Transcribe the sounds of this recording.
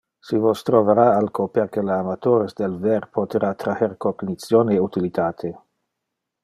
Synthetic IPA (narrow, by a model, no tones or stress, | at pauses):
sivost̪ɾoveɾaalkopeɾkelaːmat̪oɾesd̪elveɾpʰot̪eɾat̪ɾaheɾkoɡnit͡sjoneut̪ilit̪ʰaːt̪ʰe